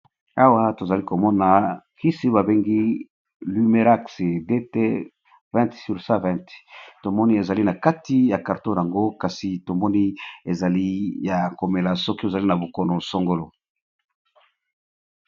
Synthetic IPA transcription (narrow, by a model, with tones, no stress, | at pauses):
a˦wa˦to˨za˨li˦ko˨mɔ˦na˨ki˦si˦ba˨be˦ŋɡi˦ | ly˦me˨˦ʁa˦kse˨de˦te˦ | vɛ̃˦ntsy˨ʁsã˦vɛ̃˦˨ntto˨mɔ˦ni˦e˨za˨li˦na˨ka˦ti˦ja˨ka˨ʁto˦˨ja˨ŋɡo˦ka˨si˨to˨mɔ˦ni˦e˨za˨li˦ja˨ko˨me˨la˨sɔ˦ki˦o˨za˨li˦na˨bo˨ko˨no˨so˦ŋɡo˦lo˨